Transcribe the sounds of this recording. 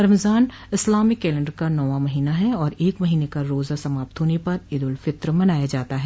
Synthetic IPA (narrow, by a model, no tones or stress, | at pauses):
ɾɐmzaːn | ɪslaːmikːɛːlɛ̃ɳɖəɾkanɔʋamɐɦiːnaɦɛɔːɾeːkmɐɦiːnekaɾoːzasɐmaːp̚t̪ɦoːnepɐɾɪd̪ʊlfɪt̪ɾmɐnaːjad͡ʒaːt̪aɦɛː